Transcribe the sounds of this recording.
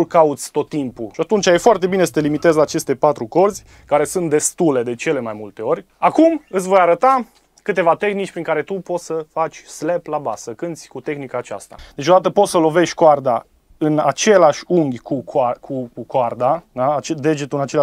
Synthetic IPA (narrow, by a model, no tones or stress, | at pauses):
kaut̪sʲt̪o̞t̪ːimpuʃiat̪unt͡ʃajefoart̪e̞bine̞sə̥t̪e̞limit̪e̞zlaːt͡ʃe̞st̪e̞pat̪ɾuko̞rzʲ | kaɾe̞sunt̪̚d̪e̞st̪ule̞d̪e̞t͡ʃe̞le̞majmult̪e̞o̞ɾʲ | akumɨt̪s̬ʲvo̞jaɾət̪a | kɨt̪e̞vat̪e̞xnit͡ʃʲpɾiŋkaɾe̞t̪upo̞t̪səfat͡ʃʲsle̞plaba̰səkɨnt̪sʲkut̪e̞xnikaːt͡ʃa̰st̪a̰d̪et͡ʃo̞d̪at̪əpo̞t̪səlo̞ve̞ʃʲkoard̪a | ɨnat͡ʃe̞laʃʲuŋɡʲkʰukakʰukukoard̪ad̪aːt͡ʃed̪e̞d͡ʒet̪ulɨnat͡ʃel